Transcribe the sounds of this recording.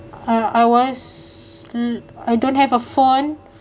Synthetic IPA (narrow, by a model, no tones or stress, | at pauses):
aajwɔs | ajdõnthɛvəfõn